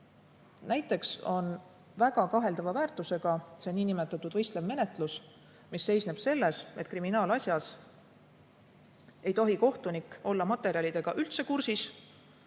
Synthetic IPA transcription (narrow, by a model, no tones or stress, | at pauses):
næjt̪ːˑe̞kso̞n | væɡ̥ɑkɑɦe̞ld̪̥ɑvɑvæːrt̪ːˑuse̞ɡ̥ɑseniːnimet̪ːˑɑt̪ːˑud̪̥vɤjst̪levme̞ne̞t̪ˑlus | misːe̞jsneb̥se̞lːe̞se̞t̪̚ːˑkriminɑːlɑsʲjɑs | e̞jt̪o̞ɦiko̞ht̪unikːˑo̞lːɑmɑt̪ːˑe̞ɾiɑlid̪e̞ɡ̥ɑʔylt̪se̞kursis